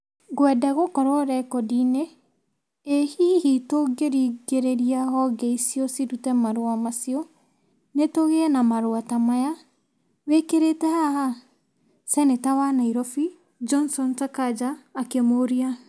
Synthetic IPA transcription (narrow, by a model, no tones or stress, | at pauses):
ɣwɛdaɣokɔɾɔɾɛkɔdineː | hihitoɡeɾiɡeɾeɾiaɦɔɡɛisiɔsidutɛmaɾoamasiɔ | netoɣeɛnamaɾoatamaja | wekeɾetɛhaha | sɛnetawanaiɾɔfi | d͡ʒɔnsɔntakad͡ʒaːkemoɾia